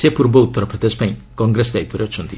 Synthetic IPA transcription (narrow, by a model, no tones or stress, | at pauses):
sepuɾbɔut̪ːɔɾɔpɾɔd̪ed͡ʒɔpaĩkɔŋɡɾesɔd̪aip̪ɔɾeɔt͡ʃʰɔnt̪i